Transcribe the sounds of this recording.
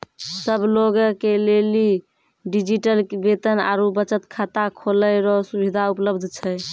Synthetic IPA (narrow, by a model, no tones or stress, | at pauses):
səbloɡkeleli | ɖid͡ʒiʈəlkbet̪əna̰ɾubət͡ʃət̪kʰat̪akʰoləjɾɔsubid̪ʱaupləbd̪ʱt͡ʃʰɛj